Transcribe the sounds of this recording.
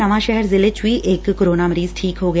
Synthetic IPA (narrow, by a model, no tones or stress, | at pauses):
ɐʋaʃɛɦɛɾzɪlet͡ʃʋiʔeːkːoɾoːnaməɾiːzʈʰiːkɦoɡɐ